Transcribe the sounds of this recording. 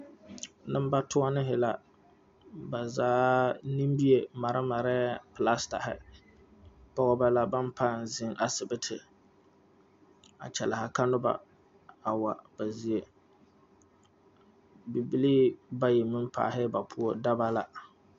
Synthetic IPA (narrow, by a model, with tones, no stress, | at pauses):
nɨ˦m˦ba˦tʊ˦a˦nɪ˦ɦɪ˨la˨ | ba˨zaː˦ni˦mbi˦e˨ma˨ɾɪ˦ma˨ɾɛ˦pla˦sta̰˨hɪ̰˨ | pɔ˦ɣɔ˦ba˦la˦ba˦n˦paː˦˨n˨zɪ˦ŋʔa˨sɪ˨bɪ˦tʰɪ̰˨ | a̰˨t͡ʃɛ˨la˨ha˨ka˦nʊ˦ba̰˨ | a˨wa˨ba˨zi˦e˦ | bi˨bi˦liː˦ba˦ji˨mɨ˦m˦pʰa̰ː˨ɦɪ˦ba˨pʰu˦o˦da˦ba˦la˦